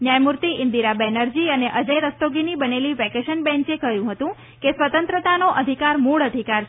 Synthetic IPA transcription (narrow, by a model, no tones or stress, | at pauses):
njajmuɾt̪iʔɪnd̪iɾabɛnəɾd͡ʒiəneʔəd͡ʒəjɾəst̪oɡinibəneliʋɛkeʃənbɛ̃ɲt͡ʃekəɦjũɦət̪ũ | kesʋət̪ənt̪ɾət̪anoʔəd̪ʱikaɾmuɭəd̪ʱikaɾ